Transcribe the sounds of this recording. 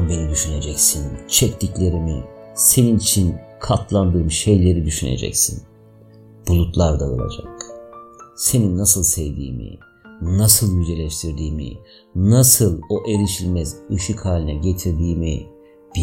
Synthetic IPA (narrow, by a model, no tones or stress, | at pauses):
nbe̞nid̪yʃyne̞d͡ʒɛcsint͡ʃʰɛct̪ʰiclʲe̞ɾimḭse̞ninit͡ʃʰinkʰat̪ʰlˠand̪ɯɾmʃe̞jlʲe̞ɾid̪yʃynḛd͡ʒɛ̰csḭn | b̥ulˠut̪lˠaɾd̪aɯ̰lˠa̰d͡ʒa̰k | se̞ninːasɯlˠsɛjd̪ḭːmḭ | nasɯlˠjyd͡ʒe̞lʲɛʃt̪ʰiɾd̪iːmḭ | nasɯlˠo̞ʔe̞ɾiʃilʲmɛzɯʃɯkhaːlʲinɛɟe̞t̪ʰiɾd̪iːmi | b̥i